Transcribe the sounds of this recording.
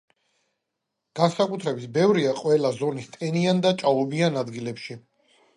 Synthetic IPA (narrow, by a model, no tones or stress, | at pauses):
ɡ̥ansakʼut̪ʰɾɛbisbɛvɾiaqʼwɛlazɔnist̪ʼɛniand̪at͡ʃʼaɔbianad̪ɡilɛpʃi